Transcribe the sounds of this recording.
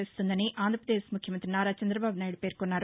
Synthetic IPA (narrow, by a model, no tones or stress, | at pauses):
est̪und̪ɐniʔaːnd̪ɾɐpɾɐd̪eːʃmukʰjɐmɐnt̪ɾinaːɾaːt͡ʃɐnd̪ɾɐbaːbunaːjɽupe̞ːɾkonːaːɾu